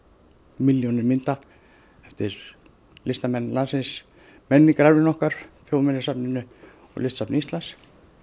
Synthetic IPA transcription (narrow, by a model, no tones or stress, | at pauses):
mɪljonɪmɪnt̪a | ɛft̪ɪɾ | lɪst̪amɛnːlansɪns | mɛnːɪkɾaɾvɪnɔhkaɾ̥θjoːwmɛnːɪsapnɪnːʏ | ɔ̰lɪst̪sapnist̪las